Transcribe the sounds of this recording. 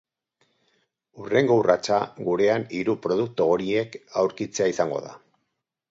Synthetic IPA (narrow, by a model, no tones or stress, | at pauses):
ure̞ŋɡo̞urat͡ʃaɣuɾe̞aniɾupɾo̞ð̞uk̚t̪uɣoɾie̞kawɾkit͡se̞aisaŋɡo̞̰ða̰